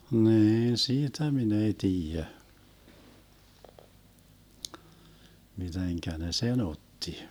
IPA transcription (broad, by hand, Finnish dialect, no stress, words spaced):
niːn siːtæ min ei tiːjæ miteŋkæ ne sen otːi